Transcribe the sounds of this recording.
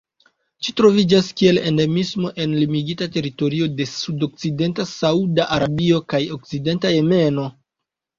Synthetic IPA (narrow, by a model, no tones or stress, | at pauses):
t͡ʃitɾo̞vid͡ʒaskie̞le̞̰nde̞mismo̞ʔe̞nlimiɡitate̞ɾito̞ɾio̞de̞sudo̞k̚t͡side̞ntasaudaʔaɾabio̞kajo̞k̚t͡side̞ntaje̞me̞no̞